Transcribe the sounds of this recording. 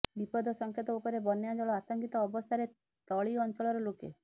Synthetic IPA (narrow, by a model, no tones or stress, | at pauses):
bipɔd̪ʱɔsɔŋkʰet̪ɔupɔɾebɔnjad͡ʒɔɭɔat̪ɔŋkit̪ɔːbɔst̪ʰaɾe | t̪ɔɭiɔnt͡ʃɔɭɔɾɔlokḛ